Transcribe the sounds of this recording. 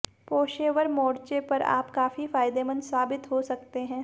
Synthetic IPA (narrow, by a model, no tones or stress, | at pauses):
poːʃeːʋəɾmɔːɽt͡ʃepɐɾa̰ːpkaːfifaːɪd̪emɐ̃nd̪saːbɪt̪ɦosɐkt̪eɦɛ̃ː